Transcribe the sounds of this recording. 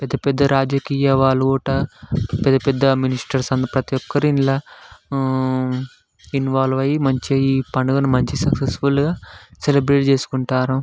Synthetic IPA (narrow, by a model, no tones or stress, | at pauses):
pɛd̪ːɐpɛd̪ːɐɾaːd͡ʒɐkiːjɐʋaːɭoːʈɐpɛd̪ːɐpɛd̪ːɐminisʈɐɾsɐnd̪ipɾɐt̪ijɔkːɐɾiinlaː | inʋaːlʋɐjimɐɲt͡ʃiːpɐɳɐɡɐnumɐɲt͡ʃisɐksesfulɡaːselebɾeːʈt͡ʃeːsu̥kuɳʈaːɾɐ